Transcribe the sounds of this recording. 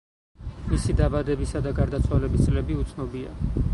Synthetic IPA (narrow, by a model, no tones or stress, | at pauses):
misid̪abad̪ɛbisad̪aɡaɾd̪at̪sʰwalɛbist̪sʼlɛbiut̪sʰnɔbia̰